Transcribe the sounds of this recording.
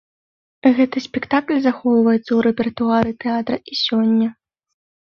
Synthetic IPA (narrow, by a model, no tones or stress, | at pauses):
ɣɛt̪ɨsʲpʲɛkt̪aklʲzaxɔwvɐjɛt̪sɐuɾɛpʲɛrt̪uaɾɨt̪ɛat̪ɾɐʔisʲɔnʲːɐ